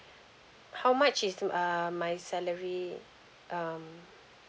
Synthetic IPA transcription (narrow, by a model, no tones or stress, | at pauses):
hawmat͡ʃizʌmajsɛləɹi | ʔʌm